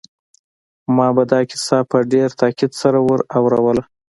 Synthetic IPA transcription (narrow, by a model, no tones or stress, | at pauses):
mɑbad̪ɑkɪ̥sɑpəɖeɾt̪ɑkɪd̪saɾawəɾawɾawəla